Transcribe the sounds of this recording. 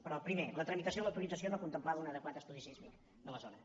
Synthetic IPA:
pəɾɔpɾimelət̪ɾəmit̪əsioiləwt̪ulid͡zəsijonokunt̪əmplaðunəðəkwat̪əst̪uðisizmik | d̪ələzonə

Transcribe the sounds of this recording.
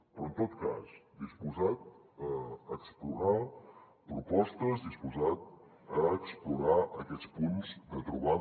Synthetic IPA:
pɾɔənt̪ot̪ka̰zd̪ispuzat̪̚ | əːkspluɾa | pɾupɔst̪əzdispuzat̪̚ | əːkspluɾaʔəkɛt͡spunzd̪ət̪ɾuβa

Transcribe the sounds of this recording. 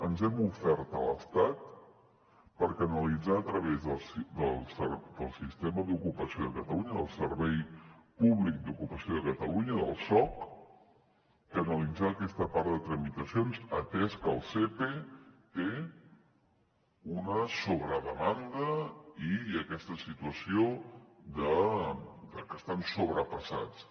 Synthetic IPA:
ənzɛmufɛɾt̪ələ̰st̪at̪̚ | pəɾkənəlid͡zaːt̪ɾəβezðəlˠsd̪əlˠsəɾd̪əlˠsist̪eməðukupəsioðəkət̪əluɲəðə̰lˠsəɾβɛjpuβlik̚d̪ukupəsioðəkət̪əluɲəðə̰lˠsɔk | kənəlid͡zaːkɛst̪əpaɾðət̪ɾəmit̪əsionzə̰t̪ɛskəlˠsepet̪e | unəsoβɾəðəmand̪əiəkɛst̪əsit̪uəsiod̪ə | d̪əkəst̪ansoβɾəpəsa̰t͡s

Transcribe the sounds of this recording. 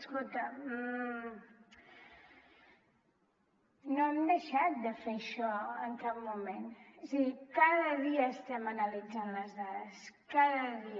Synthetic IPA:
əskolˠt̪ə | noɛmd̪əʃat̪̚d̪əfeʃɔəŋkap̚mumensiɣikaðəðiəːst̪ɛmənəlid͡zanləzðaðəskaðəði

